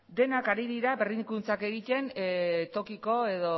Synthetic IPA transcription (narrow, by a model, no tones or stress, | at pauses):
d̪e̞nakaɾiðiɾaberikunt͡sake̞ɣit̪e̞nt̪o̞kiko̞e̞ðo̞